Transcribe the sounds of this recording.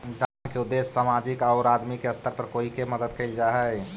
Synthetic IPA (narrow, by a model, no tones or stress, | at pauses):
ɡ̪ankeʊd̪ːeːsːaːmaːd͡ʒɪkaːɾaːd̪mikeəst̪ʰəɾpəɾkoːikeməd̪əd̪̚keɪld͡ʒaɦɛ